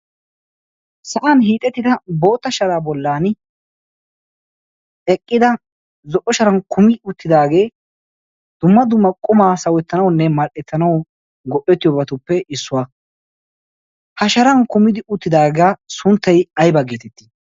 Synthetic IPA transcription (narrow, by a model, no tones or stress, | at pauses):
sɐʔanɦiːt̪ʼɛt̪ːɪd̪ɐbo̞ːt̪ːɐʃɐɾaːbɔlːaːn | ɛkʼːɪd̪ɐ | zɔʔːɔʃɐɾɐnkʰʊmɪʊt̪ːɪd̪aːɡe̞ː | d̪̥ʊmːɐd̪ʊmːɐkʼʊmaːsɐwɛt̪ːɐnɐwnːɛmɐlʔɛt̪ːɐnɐw | ɡɔʔɛt̪ːɪjɔbɐt̪ʊpːɛɪsːʊwaː | hɐʃɐɾɐnkʊmɪd̪ɪʊt̪ːɪd̪aːɡaːsʊnt̪ːɐjɐjbɐɡeːt̪ɛt̪ːi̥